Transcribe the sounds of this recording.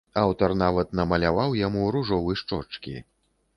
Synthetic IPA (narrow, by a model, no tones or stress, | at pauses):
awt̪ɐrnavɐt̪̚nɐmɐlʲavawjamuɾuʐɔvɨjʂt͡ʂɔt͡ʂkʲḭ